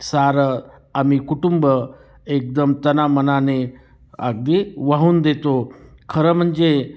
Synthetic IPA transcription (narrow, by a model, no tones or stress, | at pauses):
saɾə | amikuʈumbə | ek̚d̪əmt̪ənamənane | a̰ɡ̚d̪iʋaɦuːnd̪et̪okʰəɾəm̤əɳd͡ʑe